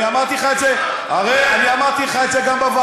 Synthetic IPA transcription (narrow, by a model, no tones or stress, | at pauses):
iamaʁt̪iχat͡se | aʁeaniamadt̪iχaet͡seɡambava